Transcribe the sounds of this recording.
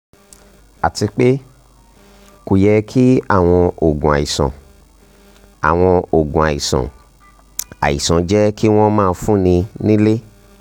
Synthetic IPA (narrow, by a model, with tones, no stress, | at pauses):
a˨ti˧k͡pe˦ | ku˨jɛ˧kʰi˦a̰˦˨w̃ɔ̃˧o˨ɡũ˨a̰˨i˨sã̰˨ | a̰˨w̃ɔ̃˧o˨ɡũ˨a˨ji˨sɔ̰̃˨ | a̰˨ḭ˨sã˨d͡ʒɛ˦ki˦w̃ɔ̃˦mãː˦˧fũ˦˨nĩ˧nĩ˦le˦